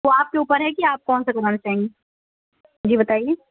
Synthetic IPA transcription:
oaːp̚keuːpəɾɦɛkiaːp̚kɔːnsekɐd̪əmt͡ʃaɦẽːŋɡeː | d͡ʒiːbɐt̪aːijeː

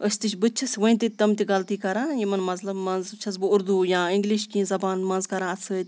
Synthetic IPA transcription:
əsʲt̪ɨt͡ʃʰbɨtt͡ʃʰɐsʲʋəĩt̪it̪ɐmt̪ʲiɡɐlt̪iːkɐɾãːjimɐnmɐzlɐbmɐnzt͡ʃʰɐs̬bɨʊɾd̪uːjãːĩŋɡliʃkĩːzɐbaːnmɐ̃nzkɐɾãːɐt͡sʰɨt̪ʲ

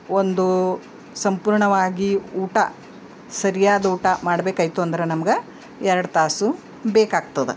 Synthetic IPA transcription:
ond̪u | sɐmpuːɾɳɐʋaːɡiuːʈɐ̰ | sɐɾijaːd̪ɐuːʈɐmaːɽɐbeːkaːjt̪uɐnd̪ɐɾenɐmɐɡe | ɛɾɐɽɐt̪aːsu | beːkaːɡ̚t̪ɐd̪e

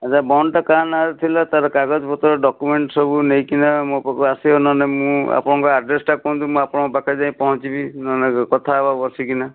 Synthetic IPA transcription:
ad͡ʒabɔɳʈɔkanaɾut̪ʰilɔt̪aɾɔkaɡɔd͡ʒpɔt̪ɔɾɔɖɔkumeɳʈsɔbunejkinamũpɔkasiɦonɔnemũa̰pɔɽ̃ɔ̃ŋkɔaɖɾesʈakɔũnd̪umũapɔɽ̃ɔŋkɔbakad͡ʒaĩpɔɦɔ̃t͡ʃibinɔnekɔt̪ʰababɔɾsikina

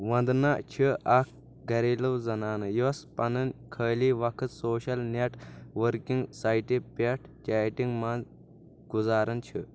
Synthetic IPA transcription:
ʋɐ̃nd̪naʔt͡ʃʰiɐk̚ʰ | ɡɐɾiːlɐwzɐnaːnɐjospɐnɐnkʰəːliːʋɐkʰɨt̪soːʃɐlneʈʋəɾkiŋɡsaːjʈipeʈʰt͡ʃʲaːjʈiŋɡman | ɡ̥uzaːɾɐnt͡ʃʰi

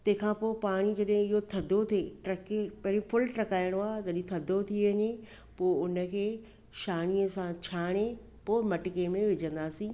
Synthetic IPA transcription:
t̪ɐ̃ɦɪ̃kʰãpoːpaːɽ̃id͡ʑɐɗɦɪ̃ɪɦot̪ʰɐd̪ʱot̪ʰeʈɾɐkepɐɦɾĩfʊlʈɾɐkaːɪɽ̃oaːɦt̪ɐɗĩt̪ʰɐd̪ʱot̪ʰiʋɐɲe | poːʊnə̆kʰeː | ʃaːniəsãt͡ɕʰaːɽ̃e | poːɪmɐʈɪkemẽʋɪd͡ʑə̃nd̪aːsĩː

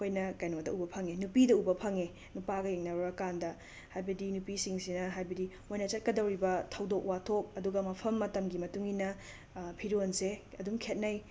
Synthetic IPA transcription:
kʰojnɐkajnodɐ̰ubɐpʰɐŋenupidɐubɐpʰɐŋe | nupaɡɐjeŋnɐɾɾɐkandɐ | hajbɐdinupisiŋsinɐɦajbɐdi | ojnɐt͡ʃɐt̚kɐdɐwɾibɐtʰɐwdok̚watʰok̚ɐduɡɐmɐpʰɐmːɐtɐmɡimɐtuŋinɐ | pʰiɾonse | ɐdumkʰet̚nɐj

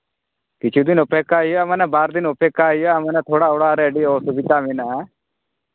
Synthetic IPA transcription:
kɪt͡ʃʰud̪ɪnʊpeːkaːijamɛnɛ̃baːɾd̪ɪnʊpeːkaːijamɛːnɛt̪ʰoːɽaːoːɽaːɾɛːɖioːsbɪt̪aːmina

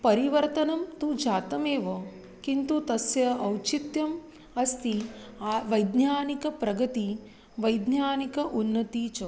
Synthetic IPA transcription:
pɐɾiʋɐɾt̪ɐnɐmt̪ud͡ʒaːt̪ɐmeːʋɐ | kint̪ut̪ɐsjɐɐwt͡ʃit̪jɐm | ɐst̪i | ʋɐjd̪njaːnikɐpɾɐɡɐt̪i | ʋɐjd̪njaːnikɐʔunːɐt̪iːt͡ʃɐ

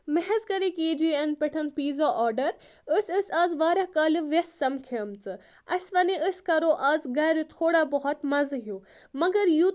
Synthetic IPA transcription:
mɛɦɛzkɐɾikiːd͡ʒiɐnpʲeʈʰɐnpiːzaʔɔːɾɖɐɾ | əsʲɨsʲaːzʋaːɾakaːlɨʋɐsːɐmkʰɐmt͡sɨ | ɐsʋɐniəskɐɾoʔaːzɡɐːɾut̪ʰoːɽaːbɔɦɔt̪mɐzɦjuː | mɐɡɐɾju

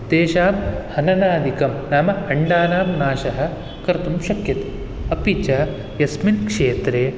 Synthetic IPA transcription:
d̪eːʃaːmhɐnɐnaːd̪ʱikɐmnaːmɐhɐɳɖaːnaːmnaːʃɐɦɐ̆ | kɐɾt̪umʃɐkjɐt̪e̥ | ɐpit͡ʃɐ | jɐsminkʂeːt̪ɾeː

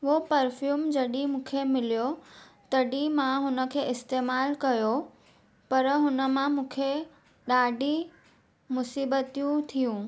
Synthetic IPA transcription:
opɐɾfjuːmd͡ʑɐɗimũːkʰemɪlijot̪ɐɗimãɦʊnə̆kʰeːɪst̪eːmaːlkɐjo | pɐɾɦʊnə̆mãmũːkʰe | ɗaːɖʱi | mʊsiːbət̪ijũt̪ʰijũː

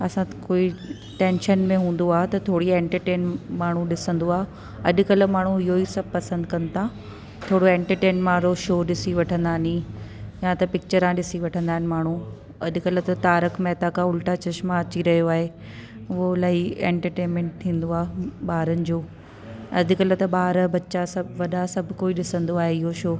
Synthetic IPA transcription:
ɐsãkoːi | ʈẽːnʃənmẽɦũːn̆d̪oaːɦet̪ɐt̪ʰoːɽiẽːɳʈəɾʈeːnmaːɳ̤̃uɗɪsə̃nd̪oaːɦ | ɐʄʊ̆kɐlmaːɳ̤uɪɦoisɐbpɐsə̃nd̪kɐ̃nt̪ʰã | t̪ʰoːɽoẽːɳʈəɾʈeːnmãɾoːʃoːɗɪsiʋɐʈʰə̃nd̪aːɪnĩjat̪ɐpɪk̚t͡ɕəɾãɗɪsiʋɐʈʰə̃nd̪aːɦɪnɪ̆maːɳ̤u | ɐ̰ʄ̆kɐlt̪ɐt̪aːɾəkmɛːt̪akʰãʊlʈat͡ɕɐʃmãɐt͡ɕiɾɐɦijoaːɦe | olaːiẽːɳʈəɾʈeːnmẽːɳʈ̚t̪ʰĩːnd̪oaːɓaːɾənɪ̆d͡ʑoː | ɐd̪̆ʱkɐlət̪ɐɓaːɾbɐtːt͡ɕasɐbʱʋɐɗasɐbʱkoːiɗɪsə̃nd̪oaːɦeɪɦoʃoː

